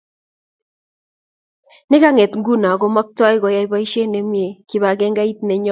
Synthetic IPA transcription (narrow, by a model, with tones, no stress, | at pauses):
nɪ˦ka˦ŋe˨tŋɡu˦na˨ɡo˨˦mɔ˦k̚ta˦ɪ˦kɔ˨ja˨˦i˦βa˦i˦ʃe˦ne˨mje˨ki˨βa˨ɡɛ˦ŋɡa˦i˦t̚ne˨ɲɔ˦